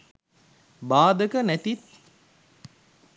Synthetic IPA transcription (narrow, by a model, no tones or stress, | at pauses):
baːd̪ɐkɐnæt̪it̪̚